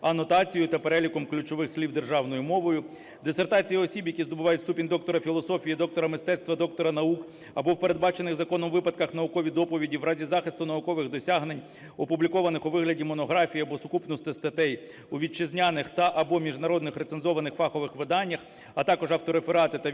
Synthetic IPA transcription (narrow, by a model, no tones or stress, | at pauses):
ɐnɔt̪ɑt͡sʲijʊt̪ɐpeɾɛlʲikɔmklʲʊt͡ʃɔʋɪxslʲiwd̪erʒɑwnɔjʊmɔʋɔjʊ | d̪ɪsert̪ɑt͡sʲijiɔsʲibjɐkʲizd̪ɔbʊʋɑjʊtʲst̪upʲinʲd̪ɔkt̪ɔɾɐfʲilˠɔsɔfʲijid̪ɔk̚t̪ɔɾɐmɪst̪ɛt̪st̪ʋɐd̪ɔk̚t̪ɔɾɐnɐuk | ɐbɔwpeɾe̞d̪̚bɑt͡ʃenɪɣzɐkɔnɔmʋɪpɐd̪̚kɐxnɐʊkɔʋʲid̪ɔpɔʋʲidʲiwɾɑzʲizɑxɪst̪ʊnɐʊkɔʋɪɣd̪ɔsʲaɦnenʲ | ɔpublʲikɔʋɐnɪxʊʋɪɦlʲɐdʲimɔnɔɦɾɑfʲijiɐbɔsʊkupnɔst̪ɪst̪ɐt̪ɛj | uʋʲit͡ʃɪzʲnʲanɪxt̪ɐʔɐbɔmʲiʒnɐɾɔd̪nɪxɾet̪senzɔʋɐnɪxfɑxɔʋɪxʋɪd̪ɑnʲːɐx | ɐt̪ɑkɔʒɐwt̪ɔɾefeɾɑt̪ɪt̪ɐ